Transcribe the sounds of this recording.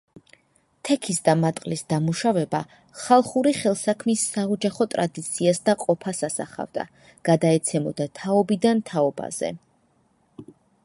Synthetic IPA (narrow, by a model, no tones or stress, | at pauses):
t̪ʰɛkʰisd̪amat̪ʼqʼlisd̪amuʃavɛba | χalˠχuɾiχɛlˠsakʰmisːaɔd͡ʒaχɔt̪ʼɾad̪it̪sʰiasd̪aqʼɔpʰasasa̰χa̰vd̪a̰ | ɡ̥ad̪aɛt̪sʰɛmɔd̪at̪ʰaɔbid̪ant̪ʰaɔba̰z̥ɛ̰